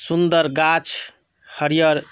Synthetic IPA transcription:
sund̪əɾɡat͡ʃʰ | həɾijəɾ

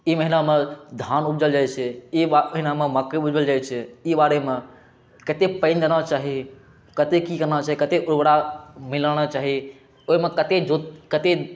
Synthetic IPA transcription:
iməɦinamed̪ʱanubd͡ʒəld͡ʒajt͡ʃʰɛiəɦinameməkːebud͡ʒəld͡ʒajt͡ʃʰɛibaɾeme | kət̪epə̃ɪnd͡ʒanat͡ʃaɦi | kət̪ekikəɾnat͡ʃaɦikət̪eʔubɽamiləñat͡ʃaɦi | oimekət̪ed͡ʒokət̪e

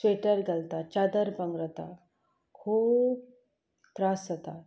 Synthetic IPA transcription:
sʋeʈəɾɡəlt̪at͡ɕad̪əɾbəŋɡɾət̪a | kʰuːp | t̪ɾasət̪a

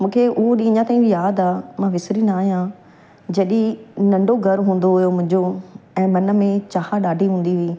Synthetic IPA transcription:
mũːkʰeʊɦoɗĩːɲãt̪aːĩbʱijaːd̪aːmãːʋɪsɾinaːɦijã | d͡ʑɐɗĩnɐ̃ɳɖʱoɡʱɐɾɦũːn̆d̪oɦʊjomʊ̃ɦɪ̃ɲd͡ʑoɛ̃ːmɐnə̆mẽt͡ɕaːhaɗaːɖʱiɦũːnd̪iɦʊiː

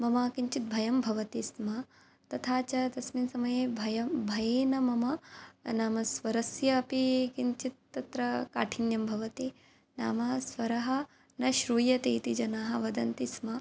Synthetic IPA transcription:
mɐmaːkiɲt͡ʃit̪̚bʱɐjɐmbʱɐʋɐt̪ismɐ | t̪ɐt̪ʰaːt͡ʃɐt̪ɐsminsɐmɐjeːbʱɐjɐbʱɐjeːnɐmɐmɐnaːmɐsʋɐɾɐsjɐːpikiɲt͡ʃit̪̚ːɐt̪ɾɐka̰ːʈʰinjɐmbʱɐʋɐt̪i | na̰ːmɐsʋɐɾɐɦɐ | nɐʃɾuːjɐt̪eːt̪id͡ʒɐnaːɦɐʋɐd̪ɐnt̪ismɐ

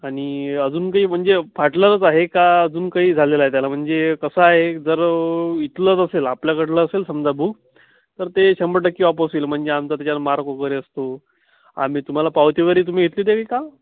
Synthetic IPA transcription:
aɽ̃iəd͡zuːnkaɦiːm̤əɳd͡zefʰaʈləɾət͡saɦekaəd͡zuːnkaɦiːd͡zʱalelaɦet̪̬jalam̤əɳd͡zekəsəaɦed͡zəɾit̪lət͡səselapljakəʈləːselsəmd͡zabʱuːɡ | t̪əɾt̪eɕəmbəʈəkːiːɔp̬əsiːlm̤əɳd͡zeamt͡sat̪jat͡ɕamaɾkokəɾiəst̪o | a̰m̤iːt̪um̤alapawt̪jikəɾiːt̪̬um̤iːɡet̪liːt̪ekika

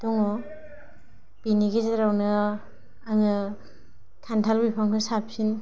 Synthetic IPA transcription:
dɔŋɔ | b̥iniɡizeɾawnɯ | aŋɯ | tʰantʰalbipʰaŋkʰɯsapʰin

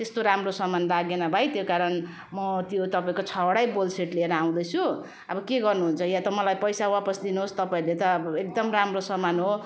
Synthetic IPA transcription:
t̪est̪oɾamrosʌmanlaɡenʌbʱajt̪jokaɾʌn | mʌt̪jot̪ʌpaĩkot͡sʰʌɽajbolseʈleɾʌaw̃d̪ʌjt͡sʰu | ʌbʌkeɡʌrnuɦunt͡sʰʌjat̪ʌmʌlajpʌjsawapʌsd̪inuɦost̪ʌpaĩlet̪ʌek̚d̪ʌmramrosʌmanɦo

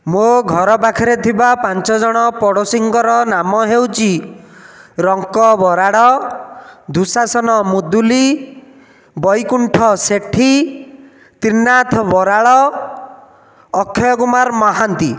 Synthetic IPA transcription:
moɡʱɔɾɔpakʰɔɾet̪ʰibapant͡ʃɔd͡ʒɔɽ̃ɔpɔɽosiŋɡɔɾɔnamɔɦewt͡ʃʰi | ɾɔŋkɔbɔɾaɽɔ | d̪ʱusasɔnɔmud̪uli | bɔjkuɳʈʰɔseʈʰi | t̪inat̪ʰɔbɔɾaɭɔ | kʰːɔjɔkumaɾmɔɦant̪i

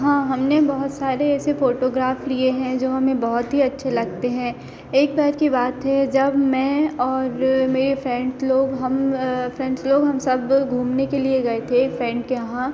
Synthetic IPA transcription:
ɦãːɦɐmnebɐɦʊt̪saːɾeɛːsefoːʈoːɡɾaːflieɦɛ̃d͡ʒoːɦɐmẽbɐɦʊt̪ɦiɐtːʃʰelɐɡ̚t̪eɦɛ̃ː | eːk̚bɛːɾkibaːt̪ɦɛd͡ʒɐbmɛ̃ɔːɾmeːɾefɾɛ̃ːɳɖsloːɡɦɐmfɾɛ̃ːɳɖsloːɡɦɐmsɐbɡʱũːmnekelieɡɐet̪ʰefɾɛ̃ːɳɖkeɦã

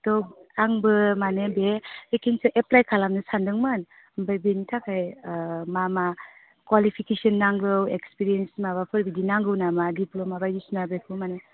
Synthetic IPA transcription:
tɔaŋbɯmanebeekʰinsɯʔeplajkʰalamnɯsandɯŋmɯn | mbajbenitʰakʰajmama | kwalipʰikesɔnːaŋlɯwekspiɾiensimaβapʰɯɾbidinaŋɡɯwnamadiplɔmabajusnabekʰumane

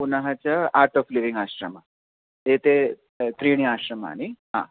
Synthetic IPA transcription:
punaɦat͡ɕjaaɾʈɔfliʋĩŋɡaɕɾəma | et̪e | t̪ɾiɽ̃iaɕɾəma̰ːɽ̃iɦã̰

